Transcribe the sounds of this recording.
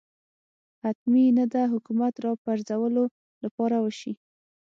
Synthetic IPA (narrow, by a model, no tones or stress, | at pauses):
hat̪minad̪aɦʊkumat̪ɾɑpaɾzawəlo | lapɑɾawəʃi